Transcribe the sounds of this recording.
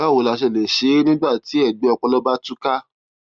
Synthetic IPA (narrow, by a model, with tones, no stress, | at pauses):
a˦˨wo˨˧la˧ʃ̬ɛ˧˨le˨ʃe˨˦nĩ˦ba˦˨ti˨˦ɛ˦˨ɡ͡be˨˧˦ɔ˧k͡pɔ˧lɔ˦ba˦tu˦ka˦